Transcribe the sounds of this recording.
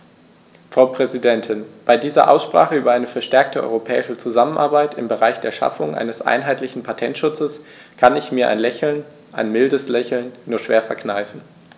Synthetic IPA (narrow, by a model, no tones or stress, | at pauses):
fʁ̥aʊpʁ̥ɛzidɛntʰɪnb̥aɪdiːzɐ̰ʔa̰ʊsʃpʁ̥aːχəyːbɐʔaɪnəfɛɐʃtɛɐk̚tʰəʔɔ̰ʏʁopʰɛ̰ːɪʃət͡suzamənʔaɐbaɪtʰɪmbəʁaɪçd̥eːɐʃa̰fʊŋʔa̰ɪnəsʔa̰ɪnɦaɪtlɪçn̩pʰatʰɛntʃʊt͡səs | kʰanɪçmiːɐʔa̰ɪnlɛçl̩n | ʔaɪnmɪldəslɛçl̩nːuːɐʃv̥eːɐfɛɐknaɪfn̩